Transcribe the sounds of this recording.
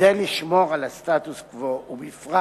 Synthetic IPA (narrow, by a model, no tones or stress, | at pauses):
ejliʃmo̞ʁalast̪at̪uskvoumifʁa